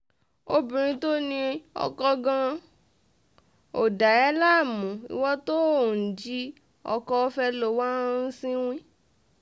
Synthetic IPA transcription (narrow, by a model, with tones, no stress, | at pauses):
o˦bĩ˨ɾ̃ĩ˧˦to˦nĩ˧ɔ̰˧kɔ˧ɡã˧ | o˨da˨ɛ˨˦la˦˨mũ˨ḭ˧˨wɔ˦to˦˨n̩˨d͡ʒi˦ | ɔ̰˧kɔ˧˦fɛ˧lo˨wa˦sĩ˦w̃ĩ˦